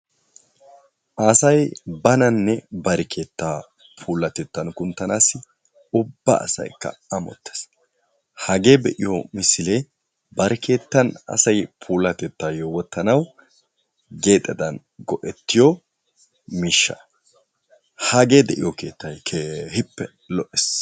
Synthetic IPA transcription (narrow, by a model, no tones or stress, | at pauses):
ʔaːsɐjbɐnɐnːɛbɐɾɛkʰe̞ːt̪ːaː | pʰuːlːɐt̪ɛt̪ːɐnkʊnt̪ːɐnaːsɪ | ʊbːɐ̰ːsɐ̰jkːɐ̰ɐmɔ̰t̪ːe̥s | hɐɡe̞ːbɛʔɪjomɪsɪleː | bɐɾɛkʰe̞ːt̪ːɐnɐ̰sɐjpʰuːlːɐt̪ɛt̪ːaːjowɔt̪ːɐnɐw | ɡe̞ːt̪ʼːɛd̪ɐn | ɡɔʔɛt̪ːɪjɔ | miʃːɐ̰ | hɐɡe̞ːd̪ɛʔɪjɔke̞ːt̪ːɐjkʰehɪpːɛ | lɔʔɛs